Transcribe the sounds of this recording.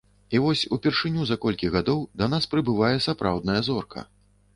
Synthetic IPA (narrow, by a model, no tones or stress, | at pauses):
ivɔsʲupʲɛrʂɨnʲuzɐkɔlʲkʲiɣad̪ɔwd̪ɐnaspɾɨbɨvajɛsapɾa̰wd̪nɐjɐzɔrkʰɐ̰